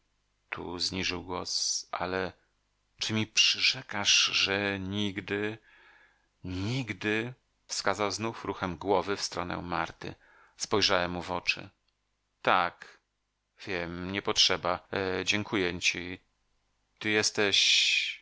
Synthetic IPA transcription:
t̪ʰṵzɲiʐɨwɡwɔsʔa̰lɛ | t͡ʂɘmʲipʂɘʐɛkaʂʐɛɲiɡd̪ɘ | ɲiɡd̪ɘ | fskazawznufɾuxɛmɡwɔvɘfst̪ɾɔnɛ̰maɾt̪ɘ̰ | spɔjʐawɛmːuvɔt͡ʂɘ̰ | t̪ak | v̥ʲjɛmɲɛpɔtʂɛbad͡ʑɛŋkʰujɛt͡ɕi | t̪ɨjɛst̪ɛɕ

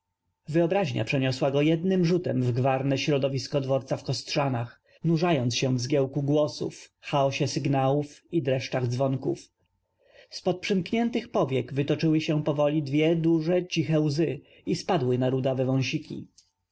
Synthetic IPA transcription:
vɘɔbɾaʑɲa̰pʂɛɲɔswaɡɔjɛd̪nɘmʐut̪ɛmvɡvaɾnɛɕɾɔd̪ɔvʲiskɔd̪vɔɾt̪safkɔst̪ʂanax | nuʐajɔnt̪ɕɛ̃vzɡʲjɛwkuɡwɔsṵfxaɔɕɛsɘɡnawufid̪ɾɛʂt͡ʂaɣd̪zvɔŋkṵf | spɔt̪̚pʂɘmkɲɛnt̪ɘxpɔvʲjɛɡvɘt̪ɔt͡ʂɘwɘɕɛ̃pɔvɔlʲid̪vʲjɛd̪uʐɛt͡ɕixɛwzɘ | ispad̪wɘnaɾud̪avɛvɔ̃w̃ɕikʲḭ

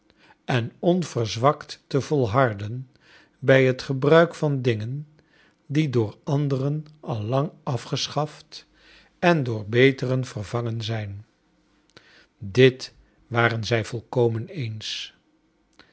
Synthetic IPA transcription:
ɛnɔnv̥ərzʋɑktːəvɔlˠɦɑɹdən | bɛjɦətχəbrœɥkfɑndɪŋən | didʊːɹɑndərənʔɑlˠːɑŋɑfχəsχɑft | ɛndʊːɹbejtərənv̥ərvɑŋənzɛjn | dɪt | ʋaːrənzɛjv̥ɔlˠkowmənejns

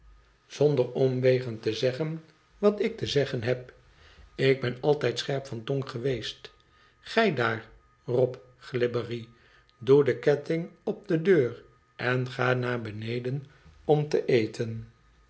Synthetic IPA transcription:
z̥ɔndəɹɔmʋejχəntəzɛχən | ʋɑtɪk̚təzɛχənɦɛp̚ | ɪɡ̚bɛnɑlˠtɛjtsχɛɹpfɑntɔŋχəʋejst | χɛjdaːɹ | rɔp | χlɪbəri | dudəkɛtɪŋɔb̚dədøːr | ʔɛnχaːnaːɹbənejdənɔmtəʔejtʰən

